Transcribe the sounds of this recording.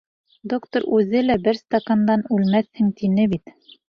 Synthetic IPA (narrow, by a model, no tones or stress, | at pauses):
d̪okt̪oɾʉzɘlæbɘɾst̪ɐkand̪ɑnʉlmæshɘŋt̪inɘbit̪